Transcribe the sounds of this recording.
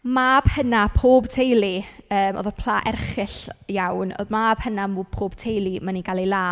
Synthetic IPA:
maːb̥hənapʰoːbtʰejlˠiəːmɔ̰ðɔpʰl̥ˠaːʔɛ̰rχɪɬjawno̰maːb̥hənamupʰoːb̥tʰejlˠimaniɡalˠejlˠaː

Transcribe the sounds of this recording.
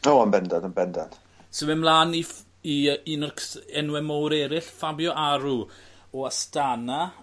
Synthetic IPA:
oːanbɛndadənbɛndad̥ | sɪmɛmlˠaːni | iinɔrkʰɛnwɛmɔwɾɛɾɪɬfabjɔʔaɾuɔastana

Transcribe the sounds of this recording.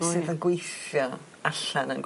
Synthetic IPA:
sɨːðənɡwejθjɔ | aɬanənɡ

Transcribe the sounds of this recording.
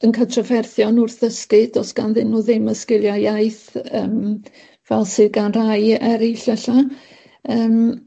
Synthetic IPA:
ənkʰatʰravɛrθjɔnʊrθəskɨd̥ɔsɡ̥anðɪnːuðɪməskɪlˠjajajθəːm | vɛlˠsɨðɡanr̥ajɛɾɪɬɛɬa | əːm

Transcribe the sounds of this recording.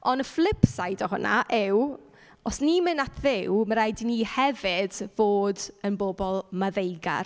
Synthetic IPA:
ɔnəflˠɪpsajdɔɦʊnʔa̰ʔɪw | ɔsnimɪnatʰðɪwməɾajdinihɛvɪd̥voːdənbobɔlˠmaðejɡa̰r

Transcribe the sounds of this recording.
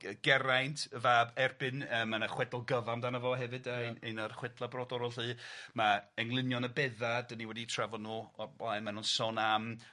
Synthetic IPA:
əɡ̥ɛɾajntʰəvaːbɛrbɨnəːmanaχwɛdɔlˠɡəvamdanəvɔɦɛvɨdəjnenarχwɛdlˠabrɔdɔɾɔlˠɨːmaɛŋlˠɨnjɔnəbɛðadəniwɛditʰravɔnuːɔblajmanunsɔnam

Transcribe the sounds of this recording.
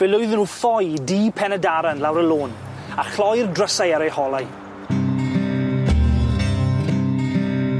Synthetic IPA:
v̥ɛlˠʊɨðnuːfɔjdiːpʰɛnədaɾanlawɾəlˠoːn | aχlɔjrdrəsajaɾehɔlˠaj

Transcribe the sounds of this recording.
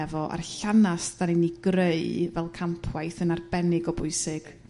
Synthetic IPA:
ɛvɔʔa̰rɬanasd̥aniniɡreɨvɛlˠkʰampʰwajθənarbɛnɪɡɔbʊɨsɪɡ̥

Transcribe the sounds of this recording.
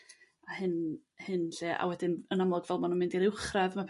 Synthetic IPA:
ahɨnhɨnɬɛːʔa̰wɛdɪnənamlˠɔdvɛlˠmanunmɪndaɾɪwχraðmapʰ

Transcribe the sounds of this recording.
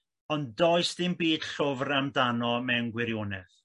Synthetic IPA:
ɔndɔjsdɪmbiːd̥ɬʊvramdanɔmɛwnɡwɪɾjonɛθ

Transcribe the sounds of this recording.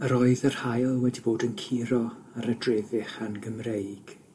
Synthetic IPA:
əɾɔɨðər̥hajlˠwɛdiboːdənkʰiɾɔ | aɾədrɛːðɪχanɡəmrejɡ̥

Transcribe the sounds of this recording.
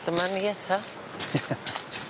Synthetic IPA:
d̥̪əmaniɛtʰa

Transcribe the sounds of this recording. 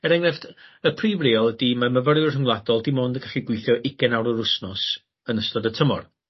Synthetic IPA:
ɛɾɛŋrɛfdəpʰriːvriːɔlˠədimaməvəɾjʊrəŋwlˠadɔlˠdimoːndəɡaɬiɡwɪjθjɔʔɪɡɛnawɾəɾʊsnɔs | ənəstɔdətʰəmɔr

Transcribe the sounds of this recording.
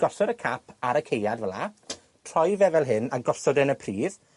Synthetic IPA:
ɡ̥ɔsɔɾəkʰapʰaɾəkʰejadvəla | tʰr̥ɔjvɛvɛlˠɦɨnaɡɔsɔdɛnəpʰriːð

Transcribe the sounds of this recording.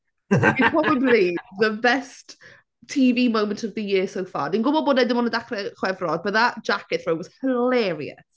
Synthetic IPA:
ipʰrɔbəbliðəbɛst | tʰːiːviːmowməntʰɔvðəjɪːsowfa̰dinɡʊbɔboːdnɛdɪmɔnədaχrɛχwɛvrɔd̚bəðad͡ʒakɪθrowɔz̥həlɛɾḭə̰s

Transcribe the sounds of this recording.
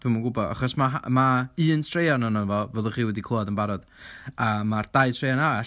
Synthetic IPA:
tʰuməŋɡʊbɔa̰χɔsmaɦa̰maɨːntʰr̥ejanɔnənvɔvɛðˠɔχiːwɛdikʰlɔadənbaɾɔd̥ | amard̥ajtʰr̥ejanaa

